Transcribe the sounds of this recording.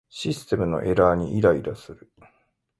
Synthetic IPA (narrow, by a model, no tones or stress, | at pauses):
ɕisɨ̥t̪e̞mɯ̟no̞̰ʔe̞ɾaːɲ̟iʔiɾaiɾasɨɾɯ̟